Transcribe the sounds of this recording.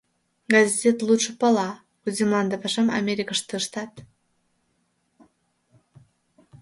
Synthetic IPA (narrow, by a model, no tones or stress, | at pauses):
ɡazʲzet̪lˠut̪ʃə̆pəlɑ | uzʲimlˠɑnd̪əpɑʃəmɑ̰mʲeɾʲikəʃt̪ɨʃt̪ɑt̪